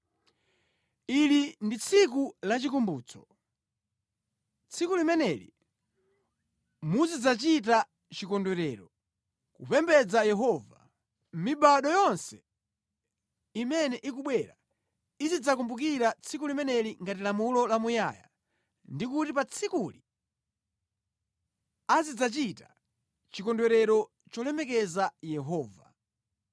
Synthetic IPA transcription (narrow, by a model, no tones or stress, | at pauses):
ilindit͡sʰik̬ulat͡ʃikumbṵːt͡sɔ̥ | t͡sʰikulimɛnɛlḭ | muzid͡zat͡ʃit̬a | t͡ʃikɔndwɛɾɛɾɔ | kṵpɛmbɛd͡zajɛɦɔva̰ | miɓaɗɔjɔnsɛ | imɛnɛʔikuɓwɛɾa | izid͡zak̬umbuk̬iɾat͡sʰikulimɛnɛliŋɡatilamulɔlamuja̰ja̰ | ndikutipat͡sʰikuli | azid͡zat͡ʃita̰ | t͡ʃikɔndwɛɾɛɾɔ | t͡ʃɔlɛmɛkɛzajɛɦɔːva